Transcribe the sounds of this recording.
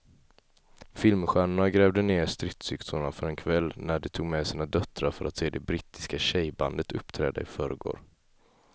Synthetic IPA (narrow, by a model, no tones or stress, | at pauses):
fɪlmɧæːɳʊɳaɡɾɛːvd̪əneːɾst̪ɾɪt̪sʏkt̪ʊɳafœɾɛnkʰvɛlːnæɖɛt̪ʰuːɡmɛsiːnad̪œt̪ːɾaɾfœɾʔat̪seːd̪ɛbɾit̪ɪ̥skaɕɛjba̰nd̪ət̪ʰɵpːt̪ʰɾɛ̰ːd̪a̰ɪfœɾəɡo̰ːɾ